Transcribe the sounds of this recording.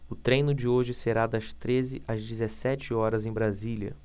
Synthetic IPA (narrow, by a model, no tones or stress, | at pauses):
ʊt̪ɾẽjnʊd͡ʒɪoʒɪseɾad̪ɐst̪ɾezɪʔɐzd͡ʒizesɛt͡ʃɪɔɾɐzẽj̃bɾaziliɐ̰